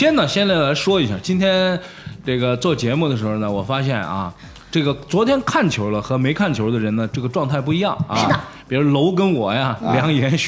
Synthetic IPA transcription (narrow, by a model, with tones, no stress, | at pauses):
ɕjɛ˥nnə˨ɕjɛ˥nt͡sa˥˩ɪla˧˥ɪʂwɔ˥i˧˥ɕja̰˥˩t͡ɕi˥nt̪ʰjɛ˥n | ʈ͡ʂɤ˥˩ɡə˩t͡swɔ˥˩t͡ɕjɛ˧˥mu˥˩d̪ə˩ʂɻ̩˧˥xo˧nə˩wɔ˨˩fa˥ɕ̬jɛ˥˩nʔɐ̰˩ | ʈ͡ʂɤ˥˩ɡə˩t͡swɔ˧˥t̪ʰjɛ˥nkʰa˥˩nt͡ɕʰjo˧˥ʊlə˧xɤ˧˥me˧˥ɪkʰa˥˩nt͡ɕʰjo˧˥ʊd̪ə˧ɻə˧˥nə˨ʈ͡ʂɤ˥˩ɡə˩ʈ͡ʂwɑ˥˧ŋt̪ʰa˥˧ɪp̬u˥˩i˧˥jɑ˥˩ŋa˥əppi˨˩ɻu˧˥lo˧˥ʊk̬ə˥nwɔ˨˩ja˧ljɑ˧˥ŋjɛ˧˥n